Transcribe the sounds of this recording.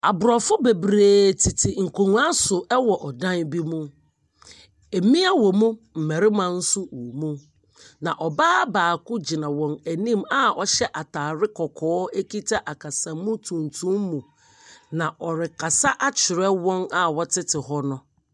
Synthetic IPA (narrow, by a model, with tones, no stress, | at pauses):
a˨bʊ˨ɾɔ˨fʊ˦be˨bɾeː˨tʰi˨tʰɪ˨ŋ̩˨kʰo˨ŋ˦a˦sʊ˨ʔɛ˦wɔ˨ʔɔ˨dã˦nbi˦mũ˦ | e˨˦mĩ˦a˦wɔ˨mũ˦m̩˨mæ˨ɾɪ˦mã˨n̩˦sʊ˦wu˨mũ˦ | nã˨ʔɔ˨baː˦baː˨kʰʊ˦d͡ʑi˨nã˨wɔ̃˨næ˨nĩ˦ma˦ɔ˦ɕɛ˦ʔa˨tʰaː˨ɾɪ˦kʰɔ˨kʰɔː˨˦e˦ki˦tʰa˦ʔa˨kʰa˨sã˨mũ˦tʰũ˨ntʰũ˦mmũ˨ | nã˨ʔɔ˨ɾɪ˨kʰa˨sa˦ʔa˦t͡ɕʰɪ˨ɾɛ˦wɔ̃˦na˨wɔ˦tʰɪ˦tʰɪ˨ɦɔ˦nʊ̃˦